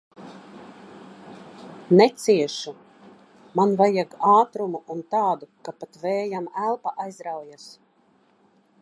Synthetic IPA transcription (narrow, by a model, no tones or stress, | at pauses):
nɛt̪siɛʃu | manvajaɡaːt̪ɾumuʔunt̪aːd̪ukapat̪vɛːjamælˠpaʔajzɾawjas